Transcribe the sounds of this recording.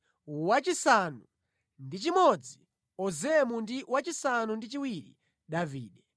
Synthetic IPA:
wat͡ʃisanu | ndit͡ʃimɔd͡zi | ɔzɛmundiwat͡ʃisanundit͡ʃiwiɾḭ | ɗaviːɗɛ

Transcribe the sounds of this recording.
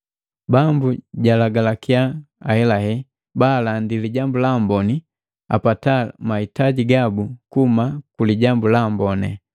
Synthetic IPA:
bambuɟalaɡalakiaaɛlaɦɛ | balandiliɟambulambɔni | a̰patamahitaɟiɡabukumakuliɟambulambɔnɛ

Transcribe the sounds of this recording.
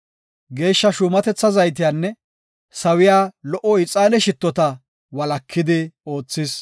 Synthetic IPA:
ɡe̞ːʃːɐʃuːmɐt̪ɛt͡sːɐzɐjt̪̬ɪjaːnːɛ | sɐwɪjaːlɔʔɔɪt͡sʼaːlɛʃɪt̪ːɔt̪ɐ | wɐlɐkʰːɪd̪ɪo̞ːt͡sːɪs

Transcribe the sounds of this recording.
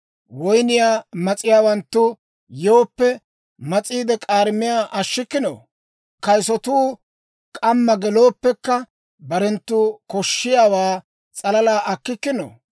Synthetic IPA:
wɔjnɪjaːmɐt͡sʼɪjaːwɐnt̪ːʊ | joːpːɛ | mɐt͡sʼiːd̪ɛkʼaːɾmɪjaːʔɐʃːɪkːɪno̰ː | kɐjsɔt̪uː | kʼɐmːɐɡɛlo̞ːpːɛkːɐ | bɐɾɛnt̪ːuːkɔʃːɪjaːwaː | t͡sʼɐlɐlaːʔɐkːɪkːɪno̰ː

